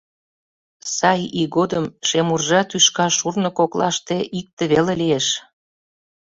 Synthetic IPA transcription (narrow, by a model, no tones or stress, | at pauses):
sɑjiɣod̪əmʃemurʒɑt̪yʃkɑʃurnə̆koklɑ̰ʃt̪eʔik̚t̪eβelelieʃ